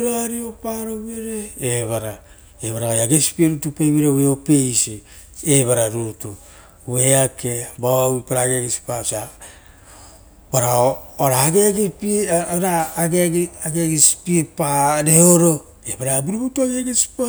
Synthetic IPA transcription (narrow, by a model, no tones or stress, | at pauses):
ɾoaɾiopaɾoβeɾeeβaɾa | eβaɾaojaɡesi̥pieɾutupeβiɾeweope̞jsieβaɾaɾutu | weakebaoaipaɾaɡeɡesi̥pasa | baɾaoɾaːɡeɡepɾaːɡeaɡeɡespiepaɾeoɾo̞ | ebaɾabiɾibutuaɡeɡesi̥pa